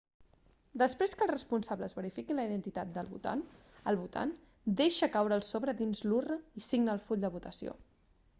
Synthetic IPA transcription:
d̪əspɾeskəlˠrəspunsaβləːzβəɾifikiləiðənt̪it̪at̪̚d̪əlˠβṵt̪a̰n | əlˠβut̪a̰n | d̪eʃəkawɾəːlˠsoβɾəðinzlurəisiɡnəːlˠfuʎʲd̪əβut̪əsio̰

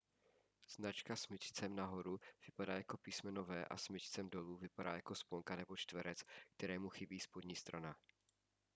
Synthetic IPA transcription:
z̥nat͡ʃkasmɪt͡ʃt͡sɛmnaɦo̞ɾuv̥ɪpadaːjako̞piːsmɛno̞vɛːʔa̰smɪt͡ʃt͡sɛmdo̞luːvɪpada̰ːjako̞spoŋkanɛbo̞t͡ʃt̪vɛɾɛt͡skt̪ɛɾɛːmuxɪbiːspodɲiːst̪ɾana

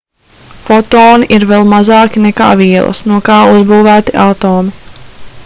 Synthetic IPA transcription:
fɔt̪oːniʔiɾvɛlˠmazɑːkineka̰ːviɛlˠɐ̰snuɔkaːuzbuːvæːt̪iʔat̪oːmi

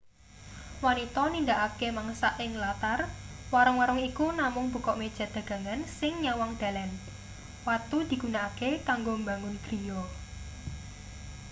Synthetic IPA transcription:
wɔnit̪ɔnindaʔakemaŋsaʔɪŋlat̪arwaɾɔŋwaɾɔŋikunamʊŋbṳkɔʔmed̥ʒ̥ä̤d̪̥ä̤ɡ̥ä̤ŋansɪŋɲawɔŋd̪̥a̤lɛn | wat̪ud̪̥i̤ɡ̥unakekaŋɡombaŋʊnɡ̥ɾijɔ

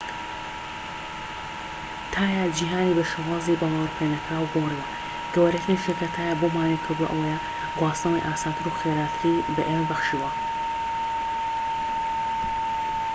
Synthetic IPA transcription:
t̪ʰaːjad͡ʒiːɦaːnibɐʃɐwaːzibɐlaːwɾpenɐkɾaːwɡoriwɐ | ɡ̥ɐwɐɾɐkːniʃekat̪ʰaːjabomaːnekʰɨɾd̪uɐ̰ʔɐ̰wɐja | ɡwɑːsnɐwḭjʔaːsaːt̪ʰɨɾuxeɾaːt̪ʰɾibɐʔembɐχʃiwɐ

